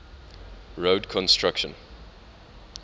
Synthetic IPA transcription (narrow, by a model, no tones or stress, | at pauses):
ɹoːdkʰɔ̃nstʰɹakʃə̰̃n